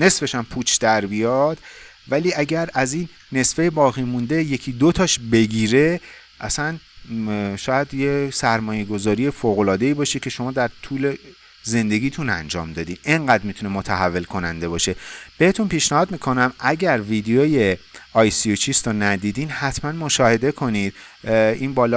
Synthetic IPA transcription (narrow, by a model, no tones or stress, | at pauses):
ne̞sfe̞ʃæmpʰut͡ʃʰd̪̥æɾbijɒd̪̥ | væliːæɟæɾæzinːe̞sfejebɒːɣimund̪e̞je̞cʰiːd̪ot̪ʰɒʃbe̞ɟiːɾe̞ | ʔæsæn | ʃɒːjæd̪jesæɾmɒːje̞ɡo̞zɒːɾije̞foːɣo̞lɒːd̪e̞iːbɒːʃicʲʰe̞ʃo̞mɒːd̪æɾt̪ʰuːle | ze̞nd̪e̞ɡʲiːt̪ʰunæ̰nd͡ʒɒ̰ːmd̪ɒːd̪inʔe̞ŋɢæd̪ɾmit̪ʰune̞mot̪ʰæɦævːe̞lkʰo̞nænd̪e̞bɒːʃe̞b̥e̞het̪ʰunpiːʃnæhɒːd̪miːkʰo̞næmʔæɟæɾvid̪ejoje̞ɒːjsiot͡ʃʰist̪onæd̪iːd̪iːnhæt̪ʰmænmoʃɒːhe̞d̪e̞kʰo̞niːd̪̥ | inbɒːlɒ